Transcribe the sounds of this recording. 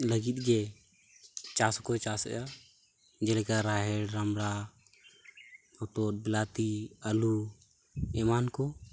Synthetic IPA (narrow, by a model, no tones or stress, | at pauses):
ləɡit̪ɡe | t͡ʃaːskot͡ʃaːsja | d͡ʒelekaɾaːɦeɽɾəmɽa | mɔt̪oːt̪̚bɪlaːt̪iəlu | emaːnko